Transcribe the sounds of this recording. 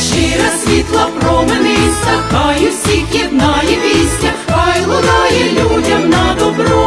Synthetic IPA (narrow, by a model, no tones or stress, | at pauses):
t͡ʃiɾɐsʲʋʲit̪lˠɐpɾɔmɛnɛist̪ɐkɑjɛsʲikʲɛd̪̚nɑjɛʋʲisʲtʲɐɑjlˠʊd̪ɑjɛlʲudʲɐmnɐd̪ɔbɾɔ